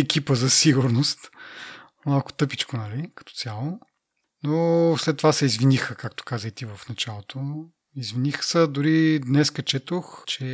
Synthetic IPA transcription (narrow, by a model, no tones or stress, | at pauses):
ɛkipəzɐsiɡuɾnost̪ | malˠkʊ̥t̪ɤpit͡ʃkonɐlikɐ̥t̪ɔ̥t̪sʲjalˠo | noslɛt̪ːovasɛizvinixəkakt̪o̥kazəjt̪ivɐfnɐt͡ʃalˠot̪o | izvinixə̥səd̪ʊɾid̪nɛskɐt͡ʃɛt̪oxt͡ʃɛ